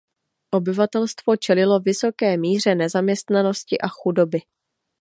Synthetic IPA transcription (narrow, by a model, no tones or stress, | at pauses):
ʔo̞bɪvat̪ɛlst̪vo̞t͡ʃɛlɪlo̞vɪso̞kɛːmiːr̝ɛnɛzamɲɛst̪nano̞scɪʔaxudo̞bɪ